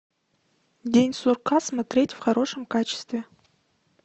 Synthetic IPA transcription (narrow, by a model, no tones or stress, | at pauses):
dʲenʲsurqʰasmatɾʲe̞tʲvχaɾo̞ʂəmkat͡ʃʰɪ̥st̪vʲe